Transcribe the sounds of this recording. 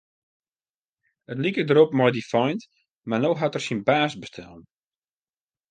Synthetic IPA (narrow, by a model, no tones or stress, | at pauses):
ətlikədəɾopmɔjdifɔjnt | marnoɦatərsinbaːsbəstʰɛ̰lˠn